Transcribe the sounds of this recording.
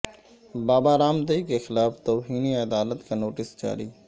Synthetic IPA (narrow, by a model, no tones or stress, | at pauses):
baːbaɾaːmt̪əikexɪlaːft̪oːɦiːniɐd̪aːlət̪kanoːʈɪsd͡ʒa̰ːɾḭː